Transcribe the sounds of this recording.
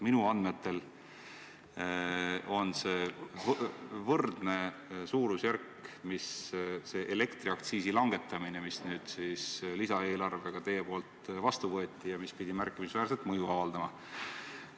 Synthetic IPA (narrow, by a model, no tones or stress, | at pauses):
minuɑnd̪me̞t̪ːe̞l | o̞nse̞ː | vɤrd̪̥ne̞suːɾusjærkː | misse̞ːʔele̞kt̪riɑkt̪siːsilɑŋɡ̥e̞t̪ːˑɑminemisnyːd̪̥siːslisɑe̞ːlɑrve̞ɡ̥ɑt̪e̞je̞po̞ːlt̪vɑst̪uvɤ̞et̪ʲːˑijɑmispid̪̥ʲimæɾrkˑːimisvæːɾse̞lt̪mɤjuɑvɑld̪ɑmɑ